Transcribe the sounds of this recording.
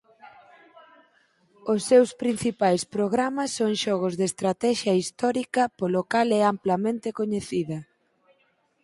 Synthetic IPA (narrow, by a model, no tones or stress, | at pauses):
osːewspɾin̟θipajspɾoɣɾamɐsːoŋʃɔɣ̞ozðest̪ɾat̪ɛʃjɐist̪ɔɾikɐpolokalɛamplɐmẽnt̪ekoɲeθiðɐ